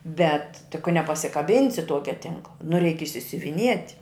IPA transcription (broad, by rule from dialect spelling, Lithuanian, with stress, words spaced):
ˈbʲɛt tʲɪk kɐ nʲɛpɐsʲɪkɐˈbʲɪnʲsʲɪ ˈtuɔkʲɛ ˈtʲɪŋklˠɐ nʊ rʲɛɪk ɪʃʲsʲʊʋʲɪˈnʲiɛtʲ